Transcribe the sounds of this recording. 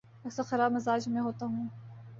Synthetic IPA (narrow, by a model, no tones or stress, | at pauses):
ɐksaxɐɾaːbmɐzaːd͡ʒmẽɦoːt̪aɦũː